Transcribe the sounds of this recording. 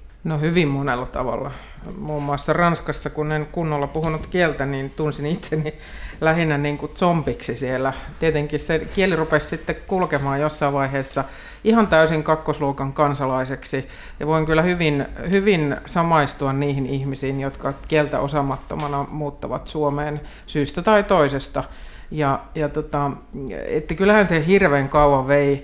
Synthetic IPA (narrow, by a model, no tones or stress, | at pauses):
nohyʋimmonelːɑt̪ɑ̰ʋɑ̰lːɑ̰ | muːmːuɑsːɑrɑnskɑsːɑkunːenkunːolːɑpuhunut̪kielt̪æniːnt̪unsinit̪seni | læhinːæniːŋkut̪sompiksisielːˑæt̪iet̪eŋkissekielirupessit̪ːekkulkemɑːjosːɑiʋʋɑiheːsːɑ | ʔihɑnt̪æysiŋkɑkːosluokɑŋkɑnsɑlɑiseksi | jɑʋoiŋkylːæhyʋinhyʋinsɑmɑist̪uɑnniːhinihmisiːnjot̪kɑkielt̪æ̰ʔosɑmɑt̪ːo̰mɑnɑmuːt̪ːɑʋɑ̰t̪suomeːn | syːst̪æt̪ɑit̪oisest̪ɑ | jɑjɑt̪ot̪ɑ | ḛt̪ːækylːˑæhænsehirʋeːŋkɑuwɑʋʋei